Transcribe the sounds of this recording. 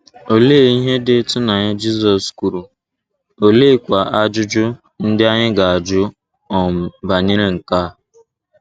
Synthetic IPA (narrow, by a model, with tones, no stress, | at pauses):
o˨leː˦˨i˦ɦe˦dɪ˦tʊ˦na˨ɲa˦d͡ʒi˦sɔ˨sku˨ɾu˨ | o˨leː˦˨kʷa˨ʔa˦d͡ʒʊ˦d͡ʒʊ˦ | n̩˦dɪ˦a˦ɲɪ˦ɡa˨a˨d͡ʒʊ˦ | ɔ˨m̩˨ba˨ɲɪ˦ɾe˨ŋ̩˨kaː˦˨